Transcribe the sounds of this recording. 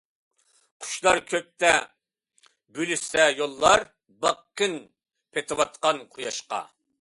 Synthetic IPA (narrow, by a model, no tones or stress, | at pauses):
qʰʊ̥ʃlˠɑɾkʲʰøp̚t̪ɛ | bylysɛjolˠːɑɾ | bɑqːɨn | pʰet̪ʰɨwɑt̪̚qɑnqʰojɑʃqɑ̰